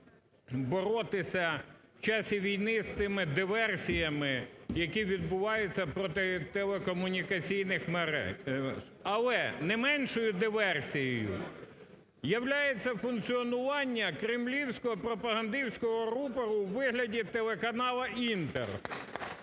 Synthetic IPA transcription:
bɔɾɔt̪ɪsʲɐwt͡ʃɑsʲiʋʲijnɪst̪ɪmɪd̪ɪʋɛrsʲijɐmɪjɐkiʋʲid̪̚bʊʋɑjʊt͡sʲːɐpɾɔt̪ɪt̪elˠekɔmʊnʲikɐt͡sʲijnɪxmeɾɛ̰ | ɐlˠɛnɛmɛnʃɔjʊd̪ɪʋɛrsʲijɛjʊ̰ | jɐwlʲajet͡sʲːɐfʊnkt͡sʲiɔnʊʋɑnʲːɐkɾɪmlʲiwsʲkɔɦɔpɾɔpɐɦɐnd̪ɪwsʲkɔɦɔɾupɐɾʊwʋɪɦlʲɐdʲit̪elˠekɐnɑlˠɐʔint̪ḛr

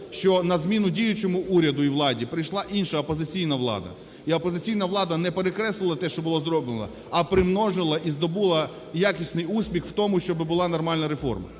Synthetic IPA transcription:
ʃt͡ʃɔnɐzmʲinʊdʲijʊt͡ʃɔmʊuɾʲɐd̪ʊiʋlˠɑdʲipɾɪjʃlˠɑʔinʃɐɔpɔzɪt͡sʲijnɐʋlˠɑ̰d̪ɐ̰ | iɔpɔzɪt͡sʲijnɐʋlˠɑd̪ɐnɛpeɾekɾɛslˠɪlˠɐt̪ɛʃt͡ʃɔbʊlˠɔzɾɔblenɐ̰ | ɐpɾɪmnɔʒɪlˠɐʔizd̪ɔbulˠɐ | jakʲisʲnɪjusʲpʲixwt̪ɔmʊʃt͡ʃɔbɪbʊlˠɑnɔrmɑlʲnɐɾefɔ̰rmɐ̰

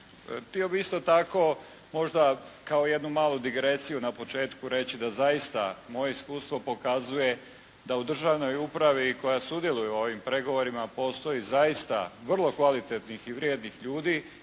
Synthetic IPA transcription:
t̪io̞biist̪o̞t̪ako̞ | mo̞ʒd̪akaoje̞d̪numaːlˠud̪iɡɾe̞sijunapo̞t͡ʃe̞ːt̪kuɾe̞t͡ɕid̪azajist̪a̰mo̞je̞iskuːst̪ʋo̞po̞kazuje̞ | d̪aud̪r̩ʒaʋno̞jupɾaʋiko̞jasud̪jelˠujeoo̞ʋimpɾe̞ɡo̞ʋo̞ɾimapo̞st̪o̞jizajist̪a̰ʋr̩lˠo̞kʋalit̪et̪nixiʋɾjed̪nixʎuːd̪i

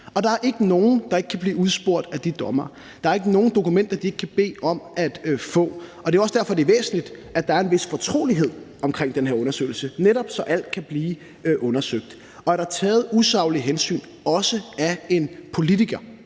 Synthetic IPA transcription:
ɒ̽d̥ɑ̈æɐʔe̝ɡ̥əno̝ːn̩d̥ɑ̈e̝ɡ̥kʰæb̥liːuð̞ˠsb̥o̝ɐ̰d̥æd̥id̥ɒ̽mɐ | d̥ɑ̈æɐe̝ɡ̥əno̝ːn̩d̥o̝kumen̰d̥ɐd̥ie̝ɡ̥ə̥kʰæb̥e̝̰ːɒ̽mʔæd̥fɔ̰̽ːɒ̽d̥e̝æɒsəd̥æɐfɒ̽d̥e̝ʋḛːsn̩lid̥æd̥ɑ̈æɐe̝nʋe̝sfɒ̽t͡sʰʁo̝̰ːliɦe̝ð̞̰ˠɒ̽mkʰʁeŋ̰d̥enɦeɐɔ̽nɐsø̰ɪl̩səneɾɒ̽b̥sɒ̽ʔæl̰d̥̚kʰæb̥liː | ʔɔ̽nɐsøɡ̥̚d̥ | ɒ̽æɐɾ̥ɑ̈t͡sʰɛːð̞̩ˠusɑ̈ʊliɦensy̰ːn | ɒ̽səæe̝npʰo̝lit͡siɡ̥ɐ

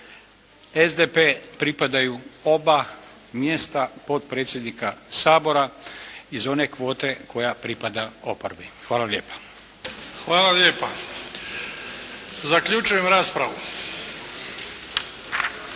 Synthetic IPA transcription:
ezd̪epepɾipad̪ajuo̞ba | mjest̪apo̞t̪̚pɾeːt̪sʲjed̪nikasaːbo̞ɾaizo̞ne̞kʋo̞ːt̪e̞kʰo̞japɾipad̪ao̞poɾbixʋaːlalʎjeːpḁ | xʋaːlaljeːpa | zakʎut͡ʃujemɾaːspɾaʋu

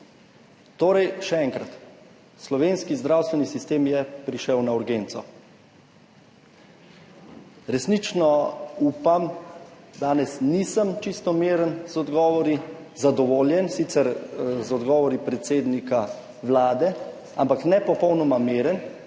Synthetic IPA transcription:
t̪oːɾɛjʃɛɛŋkɾat̪ | slɔʋeːnskizd̪ɾawst̪ʋɛnisist̪eːmjɛpɾiʃɛwnauɾɡeːnt̪sɔ | ɾɛsnit͡ʃnɔupam | d̪aːnɛsnisəmt͡ʃist̪ɔmeːɾənzɔd̪ɡɔːʋɔɾizad̪ɔʋoːljɛnsit̪sɛɾzɔd̪ɡɔːʋɔɾipɾɛt̪seːd̪nika | ʋlaːd̪ɛ | a̰mpaknɛpɔpɔwnɔmameːɾən

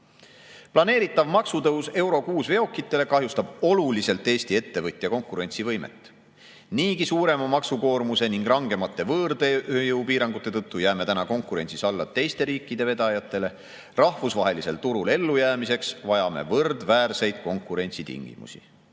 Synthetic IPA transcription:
plɑne̞ːɾit̪ːˑɑvmɑksut̪ɤwse̞wɾo̞kuːsve̞o̞kːˑit̪ːˑe̞le̞kɑɦjust̪ɑb̥o̞lulise̞lt̪ːˑeːst̪ie̞t̪ːe̞vɤt̪ʲˑːjɑko̞ŋkːuɾe̞nʲt̪sivɤjmḛt̪ːˑ | niːkisuːɾe̞mɑmɑksuko̞ːrmuse̞niŋɡ̥rɑŋɡ̥e̞mɑt̪ːˑe̞vɤːrd̪ejɤwpiːɾɑŋɡ̥ut̪ːˑe̞t̪ɤt̪ːujæːme̞t̪ænɑko̞ŋkːˑuɾe̞̰nt̪sisɑlːɑt̪ːe̞jst̪e̞ɾiːkːid̪e̞ve̞d̪ɑjɑt̪ːˑe̞le̞ | rɑhvusvɑɦe̞lise̞lt̪uɾule̞lːujæːmise̞ksvɑjɑme̞̰vɤrd̪væːrse̞jd̪̥̚ko̞ŋkˑuɾe̞nʲt̪sit̪ḭŋɡ̥ḭmṵsḭ

